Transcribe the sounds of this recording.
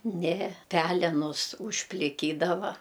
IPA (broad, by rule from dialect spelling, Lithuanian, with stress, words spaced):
ˈnʲɛ ˈpʲæːlʲɛnʊs ʊʃʲpʲlʲɪˈkʲiːdɐʋɐ